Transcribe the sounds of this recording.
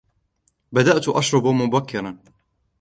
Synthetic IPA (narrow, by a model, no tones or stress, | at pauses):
bad̪aʔt̪ʔaʃɾˤʊbmʊbakʰːɪɾˤɑn